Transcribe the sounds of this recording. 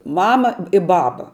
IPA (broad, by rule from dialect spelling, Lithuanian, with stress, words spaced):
ˈmɑːmɐ ɪ ˈbɑːbɐ